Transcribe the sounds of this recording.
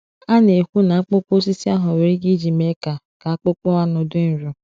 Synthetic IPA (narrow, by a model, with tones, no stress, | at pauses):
a˦ne˨kʷu˦na˨a˦k͡pʊ˦k͡po˦s̬i˦si˦a˦ɦʊ˨we˨ɾi˦ɡi˦d͡ʒi˨me˦ka˨ | ka˨a˦k͡pʊ˦k͡pɔ˦a˦nʊ˨dʊ˦n̩˨˦ɾʊ˨